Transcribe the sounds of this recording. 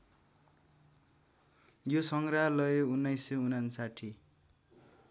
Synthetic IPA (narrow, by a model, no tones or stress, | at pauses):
josʌŋɡraɦlʌjeunːʌjsːʌunansaʈʰi